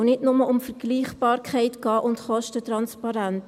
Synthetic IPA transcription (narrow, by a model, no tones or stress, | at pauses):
nɪtnʊməʔʊmfəɾɡ̥liːχbɑːɾkʰχɛɪtɡ̥ɑːʔʊntχɔʃtətɾɑnspɑɾænt